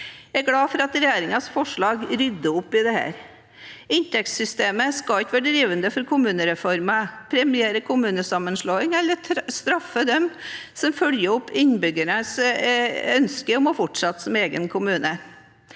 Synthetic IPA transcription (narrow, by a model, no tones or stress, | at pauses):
æɪɡlɑːfɔɾɑt̪ɾɛjeːɾɪŋɑsfɔʂɭɑːɡɾʏd̪ːəʊpːɪd̪ɛhæ̰ːɾ | ɪnt̪ɛkssʏst̪eːməskɑɪk̪ʋæːɖəɖ̪ɾiːʋənd̪əfɔɾkʰʊmʉːnəɾɛfɔɾmɑpʰɾɛmɪjeːɾəkʰʊmʉːnəsɑmːənʂloːɪŋɛlːəɾʰst̪ɾɑfːəd̪ɛmsɔmfœljəɔpːɪnbʏɡəɳəs | œnskəɔmɔfɔʈʂɑt̪ːsɔmeːɡənkʰʊmʉːnə